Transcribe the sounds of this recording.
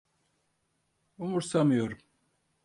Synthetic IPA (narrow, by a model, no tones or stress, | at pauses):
umuɾsamijoɾum